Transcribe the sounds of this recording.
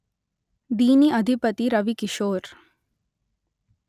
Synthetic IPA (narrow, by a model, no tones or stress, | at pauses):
d̪iːniɐd̪ʱipət̪iɾɐʋikiʃoːɾ